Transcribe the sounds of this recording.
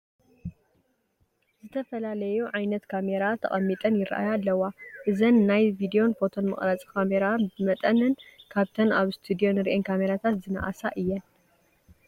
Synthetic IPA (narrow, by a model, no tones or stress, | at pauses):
zɨt̪ʰɐfɐlalɐjuʕajnɐt̪kʰame̞ɾat̪ʰɐ̰χʼɐmːit̪ʼɐnjɪɾɐ̰ʔa̰jalːɐwaʔɨzɐnːajvid̪io̞nfo̞t̪ʰo̞nmɨ̰χʼɾat͡sʼkʰameɾaɨmɐt̪ʼɐnɨnkʰaβt̪ʰɐnaβst̪ʰud̪ijo̞nɨɾʔenkʰame̞ɾat̪ʰat̪zɨna̰ʔa̰sa̰ʔɨjːɛn